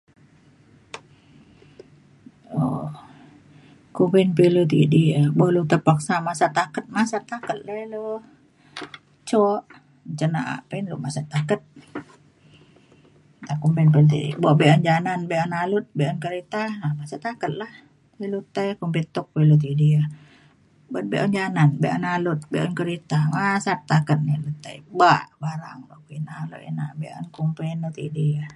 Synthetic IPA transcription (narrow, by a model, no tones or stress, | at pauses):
o | kumpɛnpilut̪̬ḭdiabɔlut̪əpaksamasat̪akət̪̚masat̪akət̪̚lailo | t͡ʃɔʔ | t͡ʃəna̰ʔa̰penlṵmasat̪akət̪̚ | t̪akumpɛnpəlt̪̬ḭdḭbɔʔbeʔɔnd͡ʒananbeʔɔnalʊt̪̚beʔɔnkəɾit̪aamasət̪akət̪̚lah | ilut̪əjkumpit̪ʊk̚wilut̪̬idiə | bət̪̚bḛʔɔnd͡ʒananbeʔɔnalʊt̪̚beʔɔnkəɾit̪amasap̚t̪akət̪̚nilut̪ːə̰jbaʔbaɾa̰ŋloʔkinalo̰ʔḭna̰ʔbeʔɔ̰nkumpenut̪ḭdiə